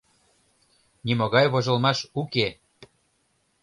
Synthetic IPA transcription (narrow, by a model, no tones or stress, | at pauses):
nimoɣɑjβoʒɤ̆lmɑʃuke